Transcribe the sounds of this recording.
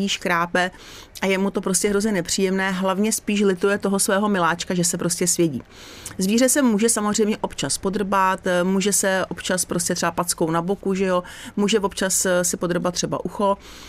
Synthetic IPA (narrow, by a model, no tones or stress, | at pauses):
iːʃkɾaːpɛ | ʔajɛmut̪o̞pɾo̞scʲɛɦɾo̞zɲɛnɛpr̝̥iːjɛmnɛːɦlavɲɛspiːʃ̬lɪt̪ujɛt̪o̞ɦosvɛːɦo̞mɪlaːt͡ʃkaʒɛsɛpɾo̞scɛsvjɛɟḭː | zviːrɛsɛmuːʒɛsamozr̝ɛjmɲɛʔo̞pt͡ʃaspo̞d̪r̩bat̪muːʒɛsɛʔo̞pt͡ʃaspɾoscʲɛt̪r̥ɛapatt͡sko̞wnabokuʒɛjo̞muːʒɛvopt͡ʃassɪpod̪r̩bat̪t̪ːr̥ɛba̰ʔuxo̞